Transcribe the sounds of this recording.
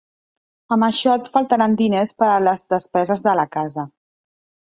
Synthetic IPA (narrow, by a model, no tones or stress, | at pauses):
əməʃɔt̪fəlˠt̪əɾand̪inespəɾələzðəspɛzəzðələkazə